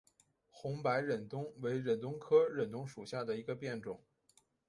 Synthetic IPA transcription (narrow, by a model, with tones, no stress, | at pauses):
xʊ˧˥ŋpa˧˥ɪɻə˨˩nt̪ʊ˥ŋwe˧˥ɪɻə˨˩nt̪ʊ˥ŋkʰɤ˥ɻə˨˩nt̪ʊ˥ŋʂu˨˩ɕja˥˩d̪ə˩i˧˥ɡə˧pjɛ˥˩nʈ͡ʂʊ˨˩˦ŋ